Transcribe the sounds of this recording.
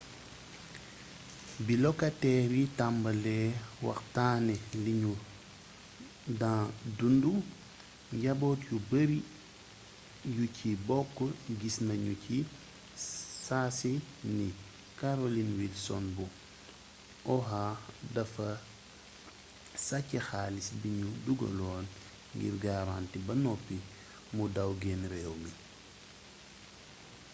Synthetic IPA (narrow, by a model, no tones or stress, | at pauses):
bilɔkatɛɾitambɐlɛːwɐ̰xtaːnɛliɲu | dãːdundu | ɲɟabɔtjubəɾi | jucʰibɔkːɔɡisnɐɲuci | saːsi | ni | kaɾolinwidsɔnbu | ʔɔɦaːdɐfɐ | sacːɛxaːlisbiɲuduɡɐ̰lɔːn | ŋɡḭɾɡaɾantibɐnɔpːi | mudawɡɛnɾɛːwmi